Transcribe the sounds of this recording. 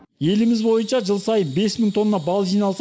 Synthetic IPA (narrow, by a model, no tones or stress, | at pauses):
je̞lɪmɪzbo̞jənʃɑʒəlˠsɑjənbe̞sməŋt̪ʰo̞nːɑbɑlˠʒijnɑlˠs